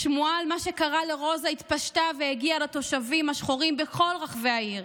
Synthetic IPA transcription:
ʃmualmaʃe̞kaʁaleʁo̞zait̪paʃtaveeɡialat̪o̞ʃavimaʃχoʁimbeko̞lʁaχveaiʁ

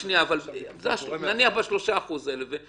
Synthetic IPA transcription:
niaːvalzeaʃnaniaχbaʃlo̞ʃaːχuzeleve

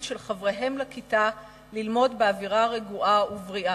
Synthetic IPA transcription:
ʃelχavʁeɦe̞mlakita | lilmo̞dbeaviʁaʁeɡuʔauvʁiʔa

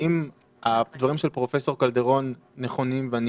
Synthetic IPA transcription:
im | ad̪vaʁimʃelpʁo̞fe̞so̞ʁkald̪e̞ʁo̞nː | eχo̞nimvean

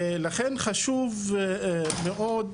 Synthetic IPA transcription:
laχenχaʃuv | meʔod̪

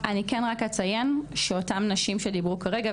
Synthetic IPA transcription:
ʔanikenʁaket͡saje̞nʃeo̞tamnaʃimʃedibʁukaʁe̞ɡa

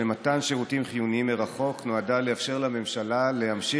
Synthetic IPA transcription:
ematanʃeʁutimχijuniimeʁaχo̞knoadaleafʃe̞ʁlame̞mʃalale̞hamʃi

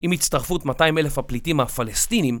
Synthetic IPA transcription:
imit̪st̪aʁfutmataimelefhaplitimafalestinim

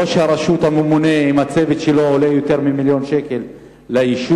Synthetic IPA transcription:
oʃeaɾaʃut̪hamemune̞imat͡sevet̪ʃeloolejot̪e̞ʁmimiljo̞nʃekelː | aiʃu

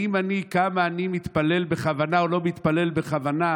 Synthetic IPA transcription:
imanikamaːnimit̪pale̞lbeχavanaolo̞mit̪pale̞lbeχavana

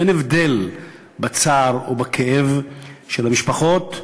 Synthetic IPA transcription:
enevdel | bat͡saʁobakʰeʔevʃelhamiʃpaχo̞t̪

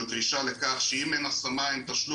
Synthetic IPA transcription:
d̪ʁiʃale̞kaχʃeimenasamajmt̪aʃlu

